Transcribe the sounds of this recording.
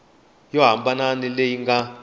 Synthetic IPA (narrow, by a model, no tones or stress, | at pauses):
jɔɦambananilejiŋɡa